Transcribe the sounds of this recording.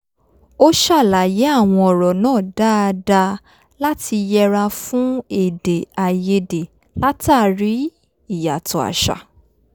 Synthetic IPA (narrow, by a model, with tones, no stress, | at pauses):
o˦ʃa˦˨la˨˦je˨˦a˦˨w̃ɔ̃˧ɔ˨ɾɔ˨nãː˦˨da˦˧da˧ | la˦ti˧jɛ˧ɾa˧fũ˦e˦˨de˨a˨je˧de˨ | la˦ta˦˨ɾi˨˦ | i˦˨ja˨tɔ˨a̰˨ʃa̰˨